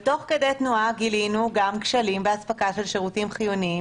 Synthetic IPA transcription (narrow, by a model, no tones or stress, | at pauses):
t̪o̞χke̞de̞jt̪nuaɡilinuɡamkʃalimbeaspakaʃelʃeʁutimχijuni